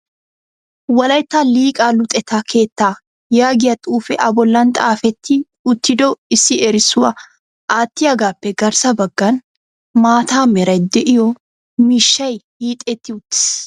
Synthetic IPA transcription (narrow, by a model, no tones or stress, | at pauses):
wɐlɐjt̪ːɐliːkʼaːlʊt̪ʼɛt̪ʰakʰe̞ːt̪ːaː | jaːɡɪjɐt̪ʼuːfɛʔɐbɔlːɐnt̪ʼaːfɛt̪ːɪ | ʊt̪ːɪd̪ɔɪsːɪɛɾɪsʊɐ | ʔaːt̪ːɪɐɡaːpːɛɡɐɾsɐbɐɡːɐn | maːt̪aːmɛɾɐjd̪ɛʔɪjɔ | miʃːɐjhiːt̪ʼɛt̪ːɪʊt̪ːɪ̥s